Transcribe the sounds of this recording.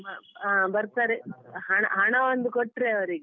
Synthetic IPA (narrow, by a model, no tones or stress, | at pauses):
bɐaːbɐɾsaɾiɦɐɳa̰ɦɐɳɐʋond̪ukoʈːɾeɐʋɾiɡe